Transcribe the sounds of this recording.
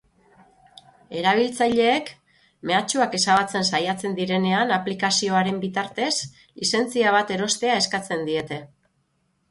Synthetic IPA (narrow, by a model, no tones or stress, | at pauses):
e̞ɾaβ̞ilt͡sajʎe̞ːk | me̞at͡ʃuake̞saβat͡se̞nsajat͡se̞nd̪iɾe̞ne̞anaplikasio̞aɾe̞mbit̪aɾt̪e̞s | lise̞nt͡siaβ̞at̪e̞ɾo̞st̪e̞ae̞skat͡se̞nd̪ie̞t̪e̞